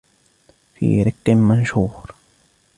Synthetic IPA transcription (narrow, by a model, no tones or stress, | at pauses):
fḭːɾɪkːɪnmanʃuːɾ